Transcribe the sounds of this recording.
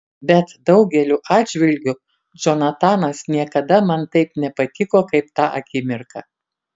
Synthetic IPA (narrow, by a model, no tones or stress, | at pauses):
bʲɛt̪d̪ɒʊɡʲɛlʲuːʔɑːd̪ʲd͡ʒʲʋʲɪlʲɡʲʊ | d͡ʒʲɔnɐt̪ɑːnɐsnʲiɛkɐd̪ɐmɐnt̪ɐɪpnʲɛpɐt̪ʲɪkoːkɐɪpt̪ɑːʔɐkʲɪmʲɪɾkɑ